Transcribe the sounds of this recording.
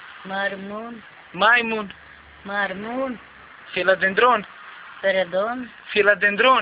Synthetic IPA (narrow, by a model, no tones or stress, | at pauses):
maɾmun | majmun | maɾmun | filad̪end̪ɾon | peɾɐd̪oːn | filad̪end̪ɾoː